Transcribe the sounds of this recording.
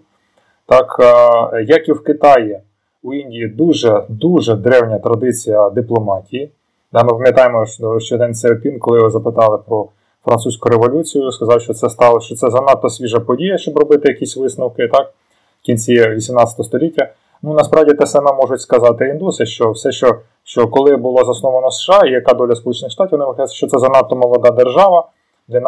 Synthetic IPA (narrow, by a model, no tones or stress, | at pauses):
t̪ɑk | jɐkiwkɪt̪ɑji | uinʲdʲijid̪uʒɛd̪uʒɛd̪ɾɛwnʲɐt̪ɾɐd̪ɪt͡sʲijɐd̪ɪplˠɔmɑtʲiji | d̪ɑmɪpɐmʲjɐt̪ɑjmɔʃt͡ʃɛd̪ɛnsɛɔpʲinkɔlˠɪʋɪzɐpɪt̪ɑlˠɪpɾɔ | fɾɐnt̪usʲkʊɾeʋɔlʲut͡sʲijʊskɐzɑwʃt͡ʃɔt̪sɛst̪ɑlˠɐʃt͡ʃɔt̪sɛzɐnɑt̪ːɔsʲʋʲiʒɐpɔdʲijɐʃt͡ʃɔbrɔbɪt̪ɪjɐkʲisʲʋɪsnɐwkɪt̪ɑk̚ | kʲinʲt͡sʲiʋʲisʲimnɑt͡sʲɐt̪ɔɦɔst̪ɔlʲitʲːɐ | nunɐspɾʔɑwdʲit̪ɛsɐmɛmɔʒʊtʲskɐzɑt̪ɪind̪usɪʃt͡ʃɔwsɛʃt͡ʃɔ | ʃt͡ʃɔkɔlˠɪbʊlˠɔzɐsnɔʋɐnɔsʃɑijɐkɑd̪ɔlʲɐspɔlˠut͡ʃenɪxʂt̪ɑtʲiwʋɔnɪmɪxajɛt͡s̪ʲːsʲɐʃt͡ʃɔt̪sɛzɐnɑt̪ːɔmɔlˠɔd̪ɑd̪erʒɑʋɐ | d̪ʲɛn